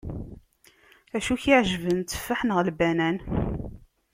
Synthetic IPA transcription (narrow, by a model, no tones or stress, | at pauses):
æʃuçiʕʒəvənt͡s̪ːə̥fːaħnəʁlbænæn